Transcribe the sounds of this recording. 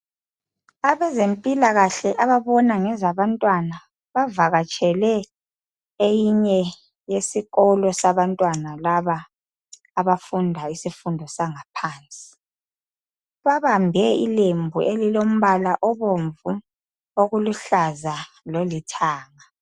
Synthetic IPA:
aβɛzempʼilaɣaɬɛʔaβaβɔnaŋɛzaβantʼwana | βavaɣat͡ʃʼɛlɛ | ejiɲɛ | jesiɣɔlɔsaβantʼwanalaβaː | βafundʱaisifundʱɔsaŋapʰaːnt͡sʼi̥ | βaβambʱɛḭlembʱuʔelilom̩βalaʔɔβoɱvu | oɣuluɬaza | lolitʰaːŋa

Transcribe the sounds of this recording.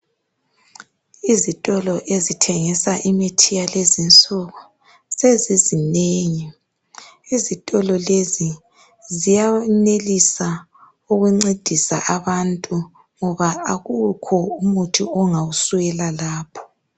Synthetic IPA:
izitʼɔlɔʔezitʰɛŋisaʔimetʰijalezint͡sʼɔɣɔ | sezizineːŋi | izitʼɔlɔlezi | zijanelisa | uɣuŋ͡ǀed̥ʱisa̰ʔaβantʼu | ŋɔβaaɣukʰɔumutʰiɔŋawusuɣɛlalaːpʰɔ̥

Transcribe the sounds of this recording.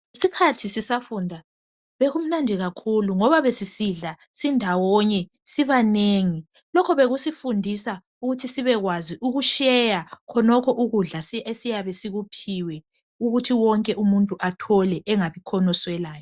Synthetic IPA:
isikʰatʰisisafuːndʱa | βeɣum̩nandʱiɣakʰuluŋɔβaβesisiɮa | sindʱawɔɲɛ | siβaneŋi | lɔkʰɔβeɣusifundʱisa | uɣutʰisiβɛɣwaziʔuɣuʃɛjakʰɔnɔkʰɔʔuɣuɮasesijaβesiɣupʰiwɛ | uɣutʰiwɔŋkʼɛʔumuntʼuʔatʰɔlɛʔɛŋaβikʰɔnɔswɛlaːjɔ

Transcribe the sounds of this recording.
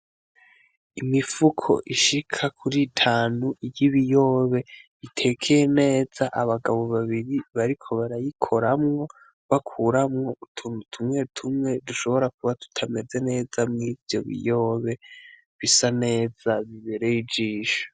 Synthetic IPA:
imifukʰo̞̰ʔiʃikʰakʰuɾitʰaːnuʔijiβijo̞ːβe̞βitʰe̞kʰejene̞ːz̥aʔaβaɡaβo̞βaβiɾiβaɾikʰo̞βaɾajikʰo̞ɾamŋo̞ | βakʰuɾamŋo̞utʰunutʰumŋe̞utʰumŋe̞duʃo̞βo̞ɾak̚uβatu̥tʰame̞ze̞ne̞ːzamŋiːvjo̞̰βḭjo̞ːβe̞ | βisane̞ːz̥aβiβe̞ɾe̞jid͡ʒiːʃo̥

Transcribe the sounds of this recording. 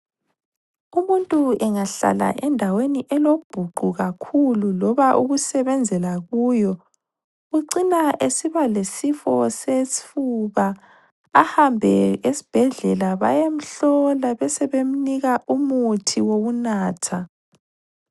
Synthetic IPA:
umuntʼuɛŋaɬa̰la̰ʔɛndʱaweniʔɛlob̥ʱuɡ͡ǃʱuɣakʰululɔβaʔuɣusɛβɛnd͡zʱɛlaɣuːjɔ | ɣuǀinaʔesiβalesifɔsesi̥fuβaː | hambʱɛesi̥b̥ʱɛɮɛlaβa̰jem̩ɬɔlaβɛsɛβem̩niɣaʔumutʰiwoɣunaːtʰa

